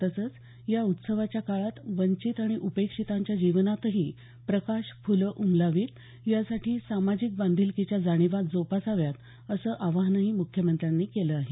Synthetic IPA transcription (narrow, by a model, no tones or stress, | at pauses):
t̪əsəːt͡s | jaut̪səʋat͡ɕjakaɭat̪ʋəɲt͡ɕit̪aɽ̃iʔupekʂit̪aɲt͡ɕjad͡ʑiʋnat̪əɦiː | pɾəkaɕfuləʔumlaʋiːt̪ | jasaʈʰiːsamad͡ʑik̚band̪ʱilkit͡ɕjad͡zaɽ̃iʋat̪̚d͡zopasaʋjat̪ | əsəːʔaʋaɦnaɦiːmukʰjəmənt̪ɾjanːiːkeləaɦe